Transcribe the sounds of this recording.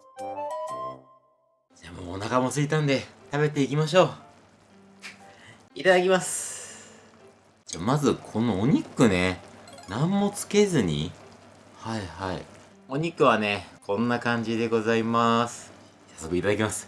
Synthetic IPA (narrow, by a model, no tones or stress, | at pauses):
d͡ʑaːmo̞̰ːonakamo̞sɨit̪ãnd̪e̞t̪abe̞t̪̬e̞ikʲimaɕ̬o̞ː | it̪ad̪akʲimasɨ̥ | d͡ʑaːmazɨkʰo̞noːɲ̟ikːɯ̟ne̞nãmːo̞t͡sɨ̥ke̞zɨɲ̟ḭ | haihaḭ | o̞ɲ̟ikːɯ̟βane̞kʰõ̞nːakãɲ̟d͡ʑid̪e̞ɡo̞zaimasɨ̥ | sḁsːo̞kɯ̟it̪ad̪ak̬ʲimasɨ̥